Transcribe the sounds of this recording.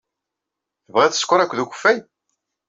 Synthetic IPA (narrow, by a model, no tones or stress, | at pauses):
θəvʁæθə̥skʷːʊɾˤækʷːðuçə̥fːæj